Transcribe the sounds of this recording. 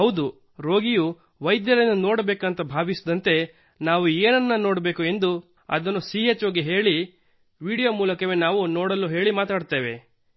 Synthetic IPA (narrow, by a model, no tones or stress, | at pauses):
ɦɐwd̪u | ɾo̞ːɡiju | ʋɐjd̪jɐɾɐnːunoːɽɐbeːkɐnt̪ɐbʱaːʋisid̪ɐnt̪e̞ | naːʋueːnɐnːɐno̞ːɽɐbe̞ːkue̞nd̪u | ɐ̰d̪ɐnːusiːet͡ʃoːɡeɦeːɭi | ʋiːɽijomuːlɐkɐʋenaːʋunoːɽɐlːuɦe̞ːɭimaːt̪aːɽt̪eːʋe̞